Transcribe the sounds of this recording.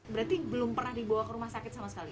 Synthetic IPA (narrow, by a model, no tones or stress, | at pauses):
bəɾat̪ibəlʊmpərnahdibawakəɾumahsakɪt̪̚samasəkali